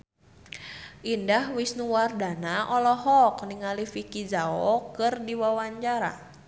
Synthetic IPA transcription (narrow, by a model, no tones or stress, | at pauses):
ʔindahwisnuwardanaʔɔlɔɦɔkniŋalifikid͡ʒaɔkɨrdiwawaɲt͡ʃaɾa̰